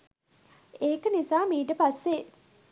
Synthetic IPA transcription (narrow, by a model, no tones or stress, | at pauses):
eːkənisaːmiːʈ̬əpasːe